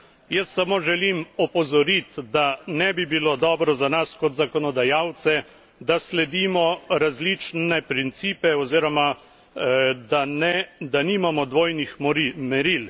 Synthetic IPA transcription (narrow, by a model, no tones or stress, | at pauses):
jɛst̪samoːʒɛlimɔpɔzɔɾit̪d̪anɛbibilod̪ɔːbɾɔzanaskɔt̪zakɔnɔd̪ajaːwt̪sɛ | d̪aslɛd̪iːmɔɾazlit͡ʃnɛpɾint̪siːpɛɔziːɾɔma | d̪anɛd̪animamɔd̪ʋoːjnixmɛɾil